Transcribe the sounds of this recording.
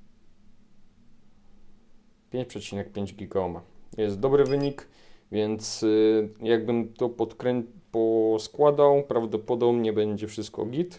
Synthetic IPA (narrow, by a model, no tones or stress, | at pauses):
pʲjeɲt͡ɕʲpʂɛt͡ɕinɛk̚pʲjeɲd͡ʑɡʲiɡaɔmajɛst̪̚d̪ɔbɾɘvɘɲik | vʲjɛnt̪sjaɡ̚bɘmt̪ɔpɔt̪kɾɛpɔskwad̪awpɾavd̪ɔpɔd̪ɔbɲɛbɛɲd͡ʑɛfʂɘst̪̚kɔ̰ɡʲit̪